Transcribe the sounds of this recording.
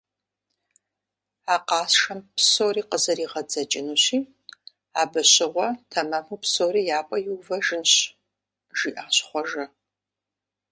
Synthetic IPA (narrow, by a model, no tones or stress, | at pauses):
aːqɑːsʂɐmpʰsoːriːqəzɐɾiːʁɐd͡zɐt͡ʃʼɪnuːɕiː | aːbɐɕɪʁʷɔtʰɐmɐmupʰsoːriːjaːpʷʼɐjuːvɐʒɨnɕ | ʒiːʔaːɕχʷɔʒɐ